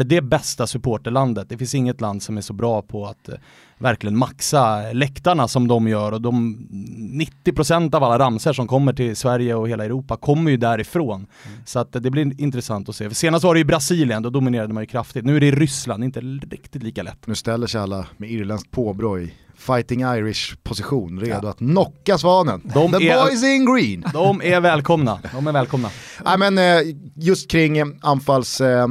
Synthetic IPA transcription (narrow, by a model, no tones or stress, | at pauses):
ɖɛbɛst̪asɵpʰoːʈəɭand̪ət̪̚d̪ɛfɪnsɪŋːət̪land̪sɔmæʂɔbɾɑːpʰɔat̪ | væɾklɪɡənmaksalɛkt̪aɳasɔmd̪ɔmjœːɾɔd̪ɔm | nɪt̪ːɪpʰɾʊsɛnt̪avalːaɾamsəʂɔmkʰɔmːəʈʰɪlsvæɾjəɔheːlaɛɾuːpakʰɔmːəɾjɵd̪æɾɪfɾoːn | sɔat̪d̪ɛblɪɾɪnt̪ɾɛsant̪ɔseːfʂeːnast̪vaɖɛjʏbɾasiːlɪənd̪ɔd̪ʊmɪneːɾad̪əmanjʏkʰɾaft̪ɪt̪nʉːæɖɛɪɾʏsla̰nd̪ɪnt̪əɾɪ̰kt̪ɪt̪liːkalɛ̰t̪ːnʉːst̪ɛlːəʂalːamɛiːɾlɛnsk̚pʰoːbɾɔɪ | fajt̪ɪŋajɾɪʂpʰʊsɪɧuːnɾeːd̪ʊat̪nɔkːasvɑːnənd̪ɔmɛɔjs̬ɪŋɡɾiːnd̪ɔmævɛːlkʰɔmnad̪ɔmæɾvɛːlkʰɔmnaɛɪmɛnjɵst̪̚kʰɾɪŋːanfals